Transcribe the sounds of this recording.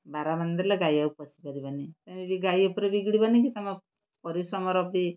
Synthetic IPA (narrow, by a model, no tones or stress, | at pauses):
baɾamand̪iɾlaɡajaupɔsʰipaɾibanit̪amibiɡajupɾebiɡɽibanikit̪ama | pɔɾisɔmɔɾɔpi